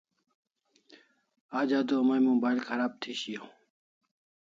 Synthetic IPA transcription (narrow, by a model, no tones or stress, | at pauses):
aːd͡ʒaːd̪oːmajimõːbaːilkʰəɾaːb̚t̪ʰiːɕijõː